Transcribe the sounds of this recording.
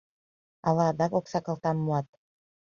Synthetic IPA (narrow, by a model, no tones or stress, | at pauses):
ɑlɑd̪ɑkoksɑkɑlˠt̪ɑmːuɑt̪̚